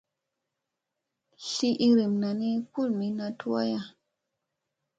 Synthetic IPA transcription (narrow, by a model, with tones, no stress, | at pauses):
ɬi˦ʔi˦ɾi˨mna˨ni˦ku˦lmi˨na˧tu˦wa˦ja˦˨